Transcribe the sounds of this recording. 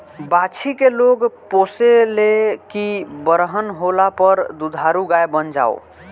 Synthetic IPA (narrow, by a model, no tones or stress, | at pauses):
bat͡ʃʰikeloɡposelekibəɾɦənɦolapəɾd̪ud̪ʱaɾuɡajbənd͡ʒa̰o̰